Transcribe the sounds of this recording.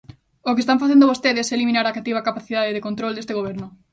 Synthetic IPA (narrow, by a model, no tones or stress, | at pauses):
ok̬est̪ãɱfaθend̪oβost̪eðɪselimĩnaɾakat̪ːiβakapaθiðaðeðekont̪ɾold̪est̪eɣoβ̞eɾnʊ